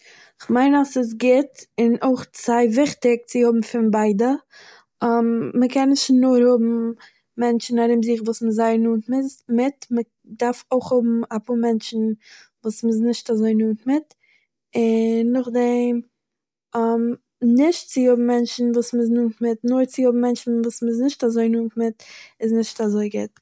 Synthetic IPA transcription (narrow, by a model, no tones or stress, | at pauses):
ɪχmaɪnasɪs̬ɡɪtɪnoɪχt͡saɪvɪχtɪk̚t͡sɪjʊbm̩fɪnbaɪdə | amːəkɛnɪʃtnʊɾhʊbm̩ | mɛnt͡ʃn̩aɾɪmziːχvuːsməzaɪnuːntmɪmɪtmə | daɾfoɪχhʊbm̩apʰuːɾmɛnt͡ʃn̩ | vuːsmɪs̬nɪʃtazoɪnuːntmɪt | ɪnːʊχdɛm | am | nɪʃtt͡sɪjʊbm̩mɛnt͡ʃn̩vuːsmɪs̬nuːntmɪtnʊɾt͡sɪjʊbm̩mɛnt͡ʃn̩vuːsməs̬nɪʃtazoɪnuːntmɪtɪsnɪʃtazoɪɡɪ̰t